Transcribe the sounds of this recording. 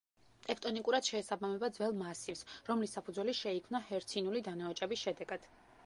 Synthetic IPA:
t̪ʼɛpʰt̪ʼɔnikʼuɾad̪̥ʃɛːsabamɛbad̪zvɛlˠmasifsɾɔmlisːapʰuzwɛliʃɛikʰmnahɛɾt̪sʰinulid̪anaɔt͡ʃʼɛbisʃɛd̪ɛɡad̪̥

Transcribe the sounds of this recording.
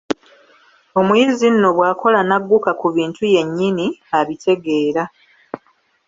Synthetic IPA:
o̞mujizinːo̞βwaːko̞lanaɡːukakuβiːntuje̞ɲːiniaβitʰe̞ɡe̞ːɾa

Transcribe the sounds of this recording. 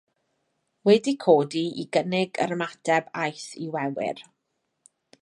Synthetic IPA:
wɛdikʰoːdiiɡənɪɡə̰ɾəmatʰɛbajθiwɛwɪ̰r

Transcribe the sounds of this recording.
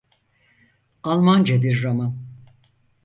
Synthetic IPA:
alˠmand͡ʒed̪iɾːaman

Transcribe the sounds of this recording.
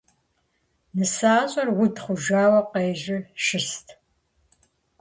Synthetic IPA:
nɨsaːɕʼɐrwʊtʰχʷʊʒaːwɐqeːʒɪʃɪstʰ

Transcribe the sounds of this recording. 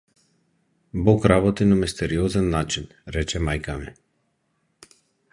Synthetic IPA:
bɔkɾaβɔt̪inamist̪ɛɾiɔzɛnːat͡ʃin | ɾɛt͡ʃɛmajkamɛ

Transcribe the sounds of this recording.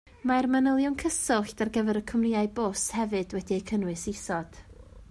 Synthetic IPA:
maɛrmanəlˠjʊnkʰəsɪlˠɬdarɡəvɛɾəkʰʊmriaɨbʊshɛvɨd̥wɛdiəkʰənwɨsisɔd̥

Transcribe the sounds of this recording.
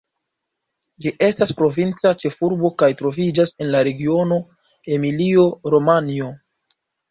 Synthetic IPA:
d͡ʒiʔe̞staspɾo̞vint͡sat͡ʃe̞fuɾbo̞kajtɾo̞vid͡ʒase̞nlaɾe̞ɡio̞no̞ | e̞milio̞ɾo̞manio̞

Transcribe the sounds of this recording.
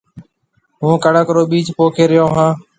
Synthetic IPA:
ɦũːkəɽəkɾoːɓiːt͡ʃpoːkʰeːɾɪjõːɦãː

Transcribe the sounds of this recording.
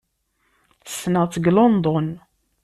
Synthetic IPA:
θə̥snəʁt͡sːəɡlond̪ˤon

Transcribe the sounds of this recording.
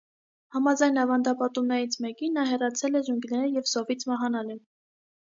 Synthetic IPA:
hɑmɑd͡zɑjnɑvɑnd̪ɑpɑt̪umnɛɾit͡sʰmɛkinːɑɦɛrɑt͡sʰɛlɛʒuŋɡnɛɾəjɛvsɔvit͡sʰmɑɦɑnɑlɛ

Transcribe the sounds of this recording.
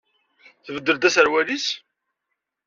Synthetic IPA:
θvəd̪ːəɾd̪æsæɾwælis

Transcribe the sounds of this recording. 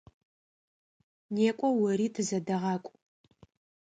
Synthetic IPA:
neːkʷʼɔwɐriːtʰɨzɐdɐʁɑːkʷʼ

